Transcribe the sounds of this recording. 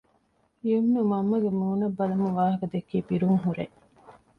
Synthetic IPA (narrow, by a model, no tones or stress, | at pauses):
ijumːeʋɐmːɐɡemuːnɐbːɐlɐmuʋaːɦɐkɐd̪ekːiːbiɾuŋɦuɾe